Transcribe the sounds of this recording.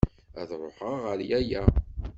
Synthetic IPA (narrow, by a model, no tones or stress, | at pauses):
æðɾˤoħəʁːəɾjæjæ